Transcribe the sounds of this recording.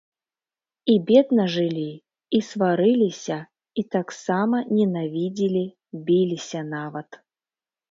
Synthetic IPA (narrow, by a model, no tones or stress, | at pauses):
ibʲed̪nɐʐɨlʲi | isvaɾɨlʲisʲɐ | it̪aksamɐnʲɛnavʲid͡zʲilʲi | bʲilʲisʲɐnavɐt̪